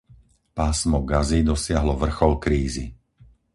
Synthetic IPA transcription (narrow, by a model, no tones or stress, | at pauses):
paːsmɔɡazid̪ɔsɪaɦlɔʋr̩xɔlkɾiːzḭ